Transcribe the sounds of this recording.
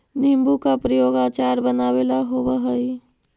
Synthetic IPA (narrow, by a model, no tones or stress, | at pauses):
nimbukapɾəjoɡaːt͡ʃaɾbənawelaɦobəɦəj